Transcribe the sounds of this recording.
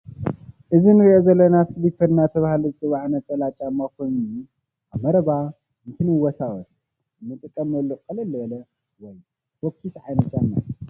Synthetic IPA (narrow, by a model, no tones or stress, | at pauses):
ʔɨzinɨɾiʔozɐlːɐnasɨbifɐdnat̪ʰɐβahlozɨt͡sʼɨβaʕnɐt͡sʼɐlat͡ʃʼamːakʰojnu | ʔamɐɾɐba | ɨnt̪ʰɨnɨwɔsawɔs | ɨnːɨt̪ʼɨkʼːɐmɐlːukʼɨlɐlːɐβɐlɐ | wɔj | fokʰːisʕa̰jnɐt͡ʃ̪ːanːa̰